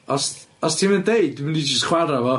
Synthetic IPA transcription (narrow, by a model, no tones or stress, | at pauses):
ɔsɔstʰiməndejd̚wmnid͡ʒɪstχwaɾavɔ